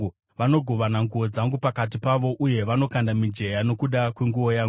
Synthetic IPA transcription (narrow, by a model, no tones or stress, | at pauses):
u | ʋano̞ɡʱo̞ʋanaŋɡuʋo̞d͡zaŋɡupakat̬ipaʋo̞ʔuje̞ʋano̞kandamid͡ʒe̞jano̞kuɗakweŋɡuʋo̞jaːŋ